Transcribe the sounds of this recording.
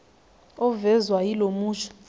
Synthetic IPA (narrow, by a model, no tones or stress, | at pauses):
ɔvɛzwajilomuːt͡ʃʰɔ̥